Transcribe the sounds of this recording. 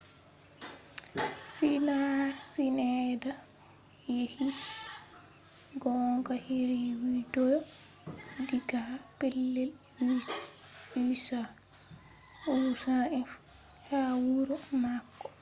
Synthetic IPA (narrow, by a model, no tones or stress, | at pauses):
sinasinɛda | jehi | ɡɔŋɡaheɾewidɔjɔ | diɡapelːɛl | i | isa | usaɛf | hawuɾɔmakːɔ̥